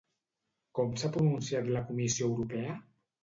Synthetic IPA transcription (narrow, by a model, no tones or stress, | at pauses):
kɔmsapɾununsiat̪lakumisioewɾupɛə